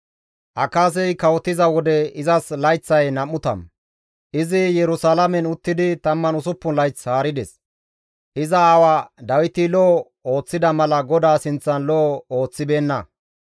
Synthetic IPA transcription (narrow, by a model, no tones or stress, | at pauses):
ʔɐkaːs̬ɛjkɐwɔt̪ːɪzɐwɔd̪ɛɪzɐslɐjt͡sːɐjnɐmːʊt̪ɐ̰m | ʔɪzɪjɛɾʊsalɐmɛnʊt̪ːɪd̪ɪt̪ɐmːɐnʊsʊpːʊnlɐjt͡shaːɾɪd̪ɛs | ʔɪzɐːwaːd̪ɐwɪt̪ɪlɔ | o̞ːt͡sːɪd̪ɐmɐlɐɡɔd̪aːsɪnt͡sːɐnlɔo̞ːt͡sːɪbe̞ːnːɐ